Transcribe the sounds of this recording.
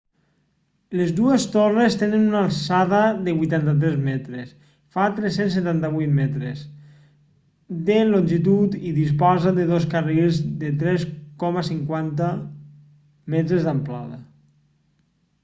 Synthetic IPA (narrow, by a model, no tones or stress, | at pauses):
lezðuest̪orest̪enənunalˠsaðaðeβujt̪ant̪at̪̬ɾɛzmɛt̪ɾes | fat̪ɾesensːet̪ant̪aβujt̪mɛt̪ɾes | d̪enlonʲʒit̪ut̪iðispazad̪eðoskarilzðet̪ɾɛskɔmasiŋkwant̪a | mɛt̪ɾezðamplaða̰